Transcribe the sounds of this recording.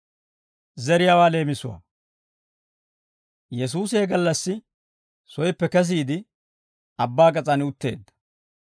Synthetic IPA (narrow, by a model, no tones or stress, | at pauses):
zɛɾɪjawaːle̞ːmɪsʊwa̰ | jɛs̬uːseːɡɐlːɐsːɪ | sɔjpːɛkɛs̬iːd̪ɪ | ɐbːaːkʼɐt͡sʼɐnʊt̪ːe̞̰ːd̪ːɐ̥